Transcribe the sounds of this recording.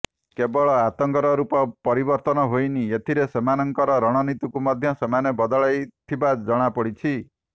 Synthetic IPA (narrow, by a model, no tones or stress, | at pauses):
kebɔɭɔat̪ɔŋkɔɾɔɾupɔpɔɾibɔɾt̪ɔnɔɦojniet̪ʰiɾesemanɔŋkɔɾɔɾɔɽ̃ɔnit̪ukumɔd̪ʱjɔsemanebɔd̪ɔɭajt̪ʰibad͡ʒɔɽ̃apɔɽit͡ʃʰi